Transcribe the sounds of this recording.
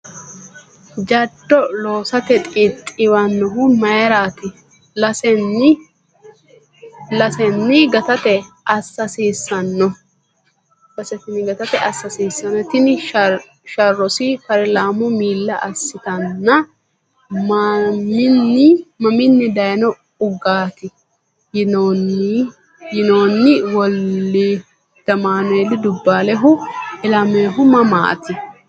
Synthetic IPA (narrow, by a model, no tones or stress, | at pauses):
d͡ʒɐd̪ːɔlo̞ːsɐt̪ɛt̪ʼɪt̪ʼːɪwɐnːɔɦʊnmɐjɐɾaːt̪ɪ | lɐsɛnːɪ | lɐsɛnːɪɡɐt̪ɐt̪ɛ | ɐsːɐsiːsːɐnːɔ | bɐsɛt̪ɪnɪɡɐt̪ɐt̪ɛɐsːɐsiːsːɐnːɔt̪ɪnɪ | ʃɐrːɔsɪkɐɾɛlaːmʊmiːlːɐʔɐsːɪt̪ɐnːɐ | mɐmɪnːɪmɐmɪnːɪd̪ɐjnɔ | ʊɡaːt̪ɪ | jnon | jɪnoːnːɪwɔlːɪ | d̪̥ɐmaːnɛlːɪd̪ʊbːaːlɛɦʊɪlɐmeːɦʊmɐma̰ːt̪ɪ